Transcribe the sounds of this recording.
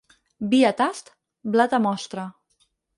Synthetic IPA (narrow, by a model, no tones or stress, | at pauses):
biat̪ast̪ | blat̪amɔst̪ɾa